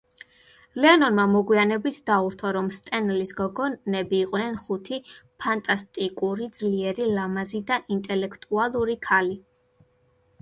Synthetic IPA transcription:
lɛɔnɔnmamɔɡwianɛbit̪ʰd̪auɾt̪ʰɔɾɔmst̪ʼɛnlisɡɔɡɔnɛbiːqʼnɛnχut̪ʰipʰant̪ʼast̪ʼikʼuɾid̪zliɛɾilamazid̪aʔint̪ʼɛlɛkʰt̪ʼualˠuɾikʰali

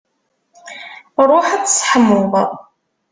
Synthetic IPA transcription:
ɾˤoħæt͡sːsħəmːʊðˤ

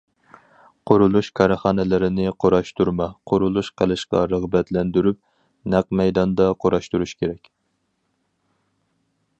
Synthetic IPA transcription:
qʰoɾulˠuʃkʰɑɾɨχɑːnɛlɪɾɪnɪqʰoɾɑʃt̪uɾmɑqʰʊɾulˠuʃqʰəlˠɨʃqɑ̰ɾəʁbɛt̪lɛnd̪yɾyp̚ | næqmɛjd̪ɑnd̪ɑqʰoɾɑʃt̪uɾuʃkʲʰeɾɛkʲ

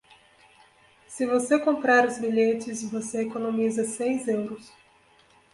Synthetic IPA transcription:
sɪvosekõmpɾaɾʊzbiʎet͡ʃɪsvoseekonõmizɐsejzewɾʊs

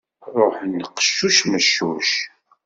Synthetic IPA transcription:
ɾˤoħənːqə̥ʃːuʃməʃːuʃ

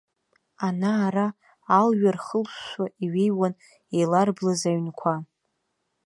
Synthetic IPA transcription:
anaːɾaː | lɥarχəlʷaiɥejwan | ejlarblazaɥnkʷʰa

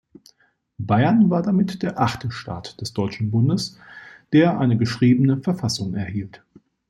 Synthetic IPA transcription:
baɪɐnvaːɐdamɪtd̥eːɐʔaχtʰəʃta̰ːtd̥ɛsd̥ɔʏt͡ʃn̩bʊndəsd̥eːɐʔa̰ɪnəɡəʃʁ̥iːbənəfɛɐfasʊŋɛɐhiːlt

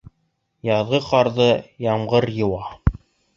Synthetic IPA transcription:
jɑðʁɤqɑɾðɤjɑmʁɤɾjɤ̆wɑ

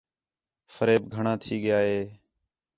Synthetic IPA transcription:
fəɾeːbɡʱəɳãːt̪ʰiːɠɪjaːɦeː

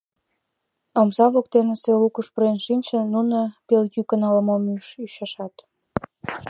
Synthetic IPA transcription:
omzɑβokt̪enĕselukuʃproenʃinʲʃĕnunopeljykənɑlə̆momyʃyɕɑʃɑt̪

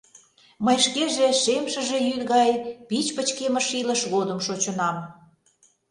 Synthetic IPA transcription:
məjʃkeʒeʃemʃə̆ʒe̽jyd̪ɣɑjpit͡ɕpət͡ɕkemə̆ʃilə̆ʃɣod̪ə̆mʃot͡ɕə̆nɑm

